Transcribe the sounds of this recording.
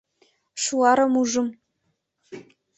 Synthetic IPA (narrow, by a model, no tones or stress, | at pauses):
ʂuɑːɾɐmuʐɨm